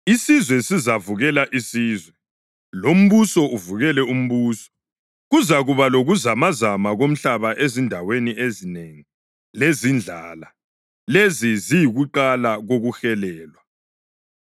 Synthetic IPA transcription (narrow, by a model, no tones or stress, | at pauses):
isizwɛsizavuɣɛlaʔisiːzwɛ | lom̩βusɔuvuɣɛlɛum̩βuːsɔ̥ | ɣuzaɣuβaloɣuzamazamaɣom̩ɬaβaʔezindʱaweniʔezineŋi | lezind͡ɮʱaːla | lezizijiɣuǃalaɣoɣuxɛlɛːlwa